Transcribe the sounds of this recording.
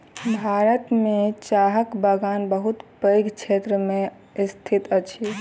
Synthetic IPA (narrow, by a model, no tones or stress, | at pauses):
bʱaɾət̪met͡ʃaɦəkbaɡanbəɦut̪pəjɡt͡ʃʰet̪ɾəmẽ | st̪ʰit̪ət͡ʃʰi